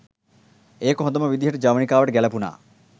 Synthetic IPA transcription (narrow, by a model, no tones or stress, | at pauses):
eːkoɦɔd̪ɐmɐʋid̪iɦɐʈud͡ʒaːʋɐɳikaːʋɐʈeɡɛlɐpuna̰ː